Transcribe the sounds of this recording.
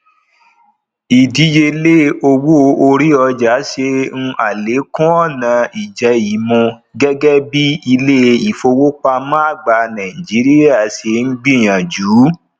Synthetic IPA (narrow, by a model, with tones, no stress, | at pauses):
i˨di˨˦d͡ʒe˧le˦o˧wo˦˧˦o˧ɾi˦ɔ˧d͡ʒa˨˦ʃe˧ŋ̩̃˧ʔa˨le˨˦kũ˦ɔ˦˨nã˨˧i˨d͡ʒɛ˨˦i˨˦mũ˧ | ɡɛ˦ɡɛ˦bi˦i˧le˦˧i˨fo˧wo˦k͡pa˧mã˦a˦˨ɡ͡ba˧˨nã˨ĩ˨d͡ʒi˨˦ɾi˦a˦˨ʃe˧ŋ̩˦ɡ͡bĩ˦˨j̃ã˨d͡ʒuː˨˦